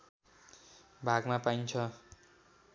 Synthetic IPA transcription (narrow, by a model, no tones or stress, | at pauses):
bʱaɡmapajnt͡sʰʌ